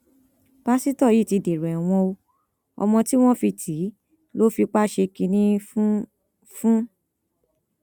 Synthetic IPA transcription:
b̥a˦si˦tɔ˦˨ji˨˦˨ti˧de˨ɾɛ˨w̃ɔ̃˧o˧ | ɔ̰˧mɔ̃˧ti˦w̃ɔ̃˦fi˧tʰi˨˦ | lo˦fi˧k͡pa˦ʃe˧ki˧nĩ˧ | fũ˦

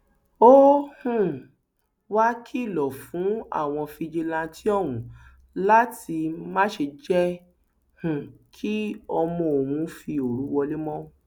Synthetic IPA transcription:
o˦hũ˨ | wa˦kʰi˦˨lɔ˨fũ˨˦a̰˦˨w̃ɔ̃˧fi˧d͡ʒi˧lã˧tʰi˦ɔ˦˨wũ˨ | la˦ti˧mã˦ʃe˧d͡ʒɛ˦ | hũ˨kʰi˦ɔ˧mɔ̃˧o˨wũ˧˦fi˧o˨ɾu˨˦wɔ˧le˦mɔ̃˦

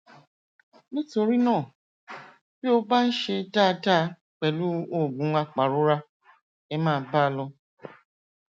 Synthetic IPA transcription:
ni˦to˧ɾi˦nɔ̃ː˦˨ | bi˦o˧ba˦n̩˦ʃe˧ta˦˧ta˦ | k͡pɛ˨lu˦o˦˨bũ˨˦ŋʷa˧k͡pa˨ɾo˦ɾa˦ | ɛ˦mãː˦˨˦baː˦˨lɔ˧

